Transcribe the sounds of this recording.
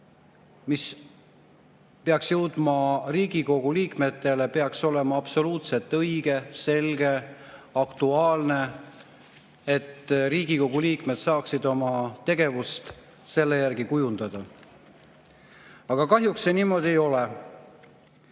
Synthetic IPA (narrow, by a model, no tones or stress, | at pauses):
mis | peɑksjɤwd̪̥mɑriːɡ̥iko̞ɡ̥uliːkme̞t̪ːˑe̞le̞pe̞ɑkso̞le̞mɑɑpso̞luːt̪se̞lt̪ːˑɤjɡ̥e̞se̞lɡ̥e̞ɑkt̪uɑːlne̞ | et̪ːriːɡ̥iko̞ɡ̥uliːkme̞d̪sɑːksid̪o̞mɑt̪e̞ɡ̥e̞vust̪ | se̞lːejærɡikujund̪ɑd̪̥ɑ | ɑɡ̥ɑkɑɦjuksːe̞niːmo̞d̪̥ʲie̞jo̞le